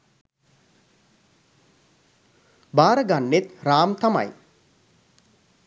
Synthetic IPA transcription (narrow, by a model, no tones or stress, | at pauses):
baːɾəɡanːet̪raːmt̪ɐma̰j